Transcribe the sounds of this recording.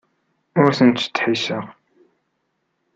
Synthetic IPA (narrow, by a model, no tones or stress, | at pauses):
ʊɾθənt̪ːt̪ːħisəʁ